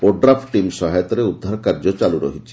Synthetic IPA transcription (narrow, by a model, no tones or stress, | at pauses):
oɖɾapʰʈimsɔɦajt̪ɔɾeud̪ʱːaɾkaɾd͡ʒɔt͡ʃaluɾɔ̰ɦit͡ʃʰi̥